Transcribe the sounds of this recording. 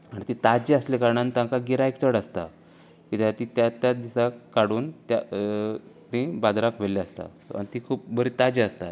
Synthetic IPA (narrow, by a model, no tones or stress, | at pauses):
aɽ̃it̪it̪ad͡ʑiəslekaɾɳant̪ãŋkaɡiɾaekt͡səɽəst̪a̰ | kit̪at̪ĩt̪jat̪jad̪isakkːaɽuːnt̪ja | t̪ĩbad̪ɾakʋelːeəst̪a̰ | anit̪ikʰuːp̚bəɾit̪ad͡ʑiəst̪at̪